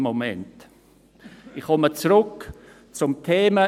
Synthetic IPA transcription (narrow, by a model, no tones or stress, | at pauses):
momɛnt | ɪχɔmət͡srʊk | t͡sʊmtʰeːmə